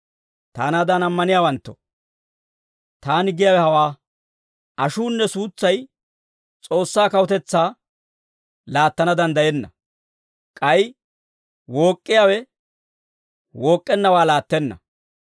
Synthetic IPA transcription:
t̪a̰ːnad̪ɐnɐmːɐnɪjaːwɐnt̪ːɔ̥ | t̪aːnɪɡɪjaːwɛhɐwaː | ʔɐʃuːnːɛsuːt͡sːɐj | t͡sʼo̞ːsːaːkɐwɔt̪ɛt͡sːaː | laːt̪ːɐnɐd̪ɐnd̪ɐjɛnːɐ | kʼɐj | wo̞ːkʼːɪjaːwɛ | woːkʼːɛnːɐwaːlaːt̪ːɛnːɐ̰

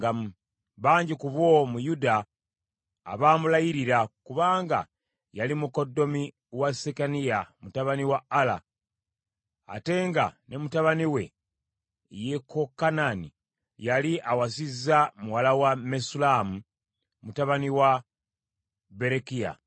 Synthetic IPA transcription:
ɡa | βaːɲɟikuβwomujudaː | βamulajiɾiɾakuβaːŋɡa̰ | jalimuko̞dːo̞mi | wasekanijamutaβaniwaːla̰ | te̞ːŋɡa̰ne̞mutaβaniwe̞̰ | jekokːananḭ | jaliʔawasizːamuwalawamesulamu | mutaβaniwa | be̞ɾekija̰

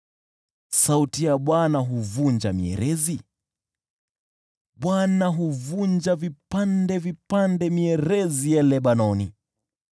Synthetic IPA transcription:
sautijaɓwanaɦuvuɲd͡ʒamiɛ̰ɾɛzi | ɓwanaɦuvuɲd͡ʒavipandɛvipandɛmiɛɾɛzijɛlɛɓanɔnḭ

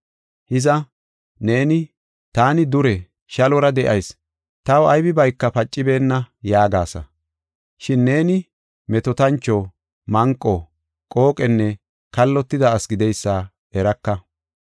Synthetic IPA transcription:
hɪzɐ | ne̞ːnɪ | t̪aːnɪd̪ʊɾɛ | ʃɐlɔɾɐd̪ɛʔɐjs | t̪ɐwɐjbɪbɐjkːɐpɐt͡ʃʼːɪbe̞ːnːɐjaːɡaːsɐ̰ | ʃɪnːe̞ːnɪ | mɛt̪ɔt̪ɐnt͡ʃːɔ | mɐŋkʼːɔ | kʼo̞ːkʼɛnːɛ | kɐlːɔt̪ːɪd̪ɐːsɡɪd̪ɛjsːaː | ɛɾɐkːɐ

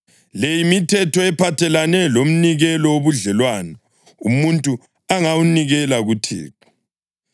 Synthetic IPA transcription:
lejimitʰɛtʰɔɛpʰatʰɛlanɛlom̩niɣɛlɔoβuɮɛlwanɔ | umuntʼu | aŋawuniɣɛlaɣutʰḭːt̚ʰɔ̥

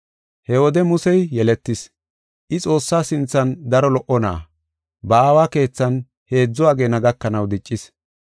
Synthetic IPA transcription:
hɛwɔd̪ɛmʊsɛjjɛlɛt̪ːɪs | ʔɪt͡sʼo̞ːsːaːsɪnt͡sːɐnd̪ɐɾɔlɔʔɔna̰ː | bɐaːwaːke̞ːt͡sːɐn | he̞ːd͡zːʊaːɡe̞ːnɐɡɐkːɐnɐwd̪ɪt͡ʃʼːɪs

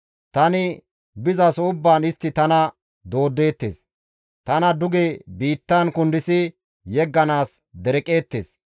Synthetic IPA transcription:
t̪ɐnɪ | bɪzɐsʊbːaːnɪst̪ːɪt̪ɐnɐ | d̪o̞ːd̪ːe̞ːt̪ːḛːs | t̪ɐnɐd̪ʊɡeːbiːt̪ːɐnkʊnd̪ɪsɪ | jɛɡːɐnaːs | d̪ɛɾɛkʼe̞ːt̪ːḛːs

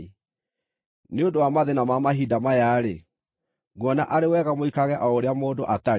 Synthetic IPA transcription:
neondowamaðenamamaɦidamajaɾe | ɣwɔnaʔaɾewɛːɣamoikaɣɛʔɔoɾeamoːdoʔata

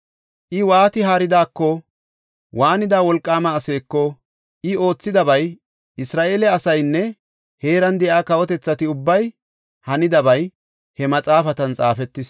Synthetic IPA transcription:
ʔɪwaːt̪ɪɦaːɾɪd̪aːkːɔ | wʔaːnɪd̪aːwɔlkʼːaːmɐːse̞ːkːɔ | ʔɪo̞ːt͡sːɪd̪ɐbɐj | ʔɪsɾaːʔe̞ːlɛɐsɐjnːɛ | he̞ːɾɐnd̪ɛʔaːkɐwɔt̪ɛt͡sːɐt̪ɪʊbːɐj | hɐnɪd̪ɐbɐj | hɛmɐt͡sʼaːfɐt̪ɐnt͡sʼa̰ːfɛt̪ːɪs

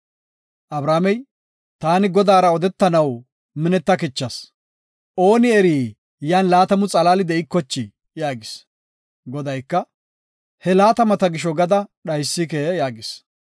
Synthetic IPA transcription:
ʔɐbɾaːmɛj | t̪aːnɪɡɔd̪aːɾɐɔd̪ɛt̪ːɐnɐw | mɪnɛt̪ːɐkɪt͡ʃːɐs | ʔo̞ːnɪɛɾiː | jaːnlaːt̪ɐmʊt͡sʼɐlaːlɪd̪ɛɪkːɔt͡ʃːɪ | jaːɡɪs | ɡɔd̪ɐjkːɐ | hɛlaːt̪ɐmɐt̪ɐɡɪʃ̬ɔɡɐd̪ɐɗɐjsːɪkeːjaːɡɪs

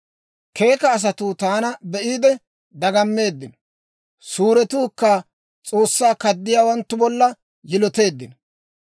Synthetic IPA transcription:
ke̞ːkɐːs̬ɐt̪ʊt̪aːnɐbɛʔiːd̪ɛ | d̪ɐɡɐmːe̞ːd̪ːɪnɔ | suːɾɛt̪uːkːɐ | t͡sʼo̞ːsːaːkɐd̪ːɪjaːwɐnt̪ːʊbɔlːɐ | jɪlɔt̪e̞ːd̪ːɪnɔ

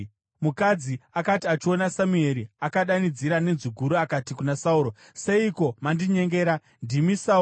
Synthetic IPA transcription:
mukad͡ziakatiat͡ʃio̞nasamue̞ɾiakaɗanid͡ziɾane̞nzuɡʱuɾuakatikunasauːɾo | se̞iko̞mandiɲe̞ŋɡe̞ːɾa | ndimisa

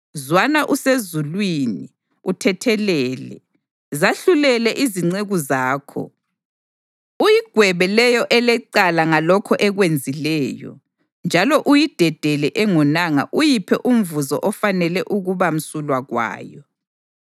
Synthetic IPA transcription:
zwanaʔusezulwini | utʰɛtʰɛlɛːlɛ̰ | zaɬulɛlɛʔiziŋ͡ǀeɣuzaːkʰɔ̰ | ujiɡ̥ʱwɛβɛlɛjɔʔɛlɛǀalaŋalɔkʰɔʔɛɣwend͡zʱilɛːjɔ̰ | nd͡ʒʱalɔʔujid̥ʱɛd̥ʱɛlɛʔɛŋɔnaŋa̰ʔujipʰɛʔum̩vuzɔʔɔfanɛlɛʔuɣuβam̩sulwaɣwa̰ːjɔ

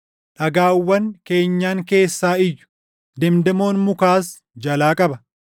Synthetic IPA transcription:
ᶑɐɡaːwːɐŋke̞ːɲːaːŋke̞ːsːaːɪjːʊ̥ | d̪ɛmd̪ɐmo̞ːnmʊkaːs | d͡ʒɐlaːkʼɐbɐ

